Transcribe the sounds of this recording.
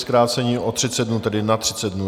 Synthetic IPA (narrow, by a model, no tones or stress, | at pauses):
skɾaːt͡sɛɲiːʔot̪r̝̥ɪt͡sɛd̪̚dnut̪ɛdɪnat̪r̥ɪt͡sɛd̪̚nu